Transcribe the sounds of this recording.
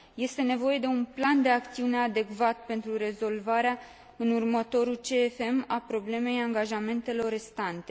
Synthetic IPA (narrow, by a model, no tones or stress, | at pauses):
je̞st̪e̞ne̞vo̞je̞d̪e̞unpland̪e̞akt̪siune̞ad̪e̞kvat̪̚pe̞nt̪ɾuɾe̞zo̞lvaɾea | ɨnurmət̪o̞ɾult͡ʃe̞ːfe̞mapɾo̞ble̞me̞jaŋɡaʒame̞nt̪e̞lo̞rest̪ant̪e̞